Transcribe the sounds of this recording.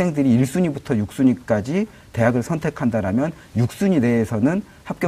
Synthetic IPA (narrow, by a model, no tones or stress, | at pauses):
eŋdɯɾiːɭs͈uɲibutʰʌjuk̚s͈uɲik͈ad͡ʑi | te̞ɦaɡɯɭsʰʌntʰe̞kʰandaɾamjʌn | juk̚s͈uɲede̞ːsʰʌnɯn | hap̚kj